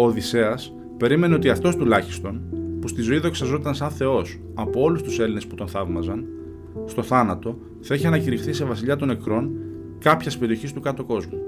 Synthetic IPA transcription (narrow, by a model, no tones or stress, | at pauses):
oðise̞ɐs | pe̞ɾime̞ne̞ot̪iɐft̪o̞st̪ulɐçi̥st̪o̞npust̪izo̞iðo̞ksɐzo̞t̪ɐnsɐnθe̞o̞s | ɐpo̞o̞lust̪use̞line̞sput̪o̞nθɐvmɐzɐn | st̪o̞θɐnɐt̪o̞ | θɐiçiɐnɐciɾixθise̞vɐsiʎɐt̪o̞ne̞kɾo̞n | kɐpçɐspe̞ɾio̞çist̪ukɐt̪o̞ko̞zmu